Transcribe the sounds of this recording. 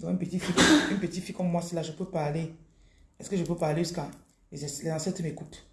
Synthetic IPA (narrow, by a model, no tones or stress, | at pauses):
d̪ɔ̃ỹnpət̪itfiỹpət̪ifikɔ̃mːwasilaʒəpøpaʁle | ɛskəʒəpøpaleʒyska | ɛlɛzãsɛ̃təmekut